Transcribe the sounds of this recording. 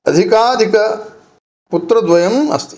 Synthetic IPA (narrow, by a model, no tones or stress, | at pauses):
ɐd̪ʱikaːd̪ʱikɐ | put̪ɾɐd̪ʋɐjɐmɐ̰st̪i̥